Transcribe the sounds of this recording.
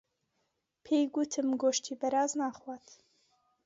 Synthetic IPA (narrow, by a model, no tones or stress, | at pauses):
pʰejɡut̪ʰɨmɡoːʃt̪ʰiːbɐɾaːznaːχwaːt̪